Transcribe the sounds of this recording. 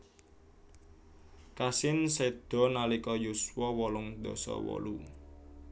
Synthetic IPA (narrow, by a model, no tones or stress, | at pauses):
kasɪnsed̪̥ɔ̤nalikɔjuswɔwɔlʊŋd̪̥ɔ̤sɔ̰wɔ̰lu